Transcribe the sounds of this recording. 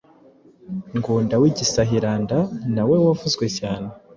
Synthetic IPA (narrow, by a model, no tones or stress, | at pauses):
ŋɡuːndawiɟisaɦiɾaːndanawe̞wavuzɡwe̞caːne